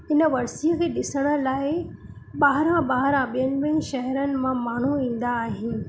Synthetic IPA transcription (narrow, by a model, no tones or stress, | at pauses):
ɪnə̆ʋɐɾsijəkʰeːɗɪsəɽ̃ə̆laːɪ | ɓaːɦɾãɓaːɦɾãɓijənɪ̆mẽʃɐɦəɾənɪ̆mãmaːɳ̤uĩːn̆d̪aːɦɪ̃ː